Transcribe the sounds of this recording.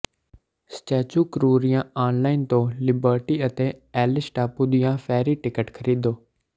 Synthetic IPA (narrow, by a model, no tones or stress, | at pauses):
st͡ʃɛːt͡ʃuːkɾuːɾɪjãːaːnlaːɪnt̪õːlɪbəːɾʈiːət̪eːɛːlɪsʈaːpuːd̪ɪjãːpʰɛːɾiːʈɪkəʈkʰəɾiːd̪oː